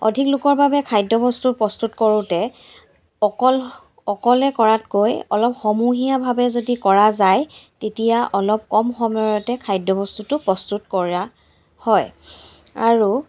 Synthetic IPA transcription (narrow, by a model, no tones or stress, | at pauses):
ɔ̰dʱiklʊkɔɹbabɛkʰajdɔbɔstupɹɔstutkɔɹʊtɛ | ɔkɔl | ɔkɔlɛkɔɹatkojɔ̰lɔpxɔmuɦijabʱabɛzodikɔɹazajtetijaʔɔlɔp̚kɔmxɔmɔjɔtɛkʰajdɔbɔstutʊpɹɔstutkɔɹa | hɔj | a̰ɹu